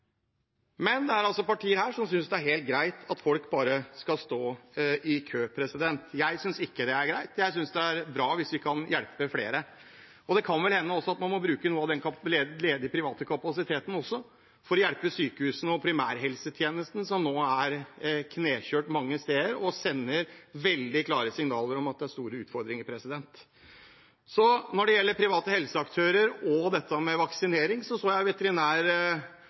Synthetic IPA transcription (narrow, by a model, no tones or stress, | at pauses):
mɛnd̪ɛæɾɑlsɔpɑʈʰiːəɾhæːʂɔmsʏnsd̪ɛæɾheːlt̪̚ɡɾæɪt̪ʰɑt̪fɔlkbɑːɾəskɑst̪oːɪkʰøːpʰɾɛsɪd̪ɛnt̪jæɪsʏnsɪkːəd̪ɛæɾɡɾæɪt̪jæɪsʏnsd̪ɛæɾbɾɑːʋɪsʋɪkʰɑnjælpəflḛːɾə | ɔd̪ɛkʰɑnʋɛlhɛnːəɔsːɔɑt̪mɑnmɔbɾʉːkənuːəɑʋd̪ɛnkɑleleːd̪əpʰɾɪʋɑːt̪əkʰɑpɑsɪt̪ʰeːt̪ən̩ɔsːɔ | fɔɾɔjæɽpəsyːkəhʉːsənəɔpʰɾɪmæːɾɦɛlsət̪ʰjeːnəst̪n̩sɔmnoːæɾkʰneːçøːʈmɑŋːəst̪eːɾɔsɛnːəɾʋɛld̪ɪkʰlɑːɾəsɪŋnɑːləɾɔmɑt̪̚d̪ɛæʂst̪uːɾəʉːt̪fɔɾd̪ɾɪŋəɾpʰɾɛsɪd̪ɛnt̪ | sɔnɔɖɛjɛlːəɾpʰɾɪʋɑːt̪əhɛlsəɑkt̪ʰøːɾəɾɔd̪ɛt̪ːəmɛʋɑksɪneːɾɪŋsɔsoːjæɪʋɛt̪əɾɪnæːɾ